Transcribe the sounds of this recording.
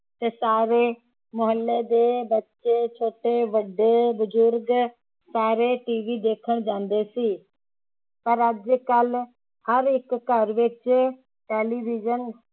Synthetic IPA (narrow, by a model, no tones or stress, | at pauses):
t̪eːsaːɾeː | mʊɦəlːeːd̪eːbətːʃeːt͡ʃʰoːʈeːʋəɖːeːbʊd͡ʒʊɾɡ | saːɾeːʈiːʋiːd̪eːkʰəɳ̃d͡ʒãːnd̪eːsiː | pəɾəd͡ʒkəl | həɾɪkːəɾʋɪt͡ʃ | ʈeːliːʋɪd͡ʒən